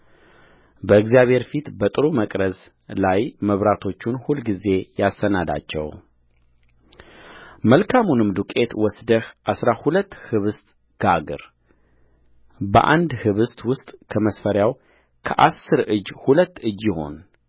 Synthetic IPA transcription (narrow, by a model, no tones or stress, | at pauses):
bəɨɡzijaβhe̞ɾfit̪bət̪ʼɨɾuməkʼɾəz | lajməβɾat̪ʰo̞t͡ʃːunhulɡize̞jasːənad̪a̰t͡ʃːɛ̰w | məlkʰamunɨmd̪ukʼe̞t̪wɔsd̪əhʔasɾahulət̪ːhɨβɨst̪ʼ | ɡ̥aɡɨ̰ɾ | bə̰ʔa̰nd̪hɨβɨst̪wʊst̪ʼkʰəməsfəɾjaw | kʰəʔasːɨɾɨd͡ʒhulət̪ːɨd͡ʒːɪho̞̰n